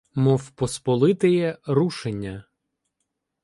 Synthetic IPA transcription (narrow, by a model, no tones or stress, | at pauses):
mɔfpɔspɔlˠɪt̪ɪjɛɾuʃenʲːɐ